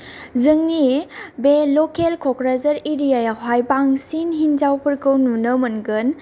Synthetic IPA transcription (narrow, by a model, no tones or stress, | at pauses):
zɯŋnibelɔkelkʰɔkɾazɐɾeɾijajaɦajbaŋsinɦinzawpʰɯɾkʰɯwnunɯmɐnɡɯn